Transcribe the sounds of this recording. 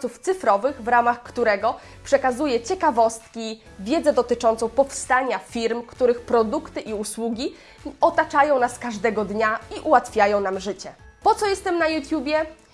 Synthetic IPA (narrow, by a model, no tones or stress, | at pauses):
suft̪sɘfɾɔvɘɣvɾamaxkt̪uɾɛɡɔ | pʂɛkazujɛt͡ɕɛkavɔst̪kʲi | vʲjɛd̪zɛd̪ɔt̪ɘt͡ʂɔ̃nt̪sɔ̃w̃pɔfst̪aɲafʲiɾmkt̪uɾɘxpɾɔd̪ukt̪ɘʔiuswuɡʲi | ɔt̪at͡ʂajɔ̃w̃naskaʐd̪ɛɡɔd̪ɲaiʔuwat̪fʲjajɔ̃w̃namʐɘt͡ɕɛpɔt̪sɔjɛst̪ɛmnajut̪ʲjubʲjɛ